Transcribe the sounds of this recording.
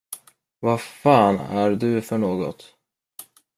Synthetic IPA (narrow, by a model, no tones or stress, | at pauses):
vafɑːnæɾɖɵfœɳoːɡɔ̰t̪